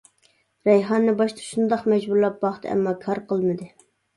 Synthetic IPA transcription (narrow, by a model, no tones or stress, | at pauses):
ɾɛjɦɑnːɨbɑʃt̪ʰə̥ʃund̪ɑχmɛd͡ʒbuɾlˠɑp̚bɑχt̪ʰɛ̰mːɑkʰɑɾqəlˠmɨd̪ɨ